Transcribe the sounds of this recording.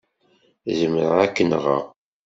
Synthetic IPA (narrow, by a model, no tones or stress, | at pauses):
zəmɾəʁækːənʁə̰